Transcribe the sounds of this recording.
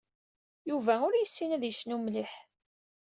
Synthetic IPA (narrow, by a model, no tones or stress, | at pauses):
juvæʊɾjəsːinæðjəʃnumliħ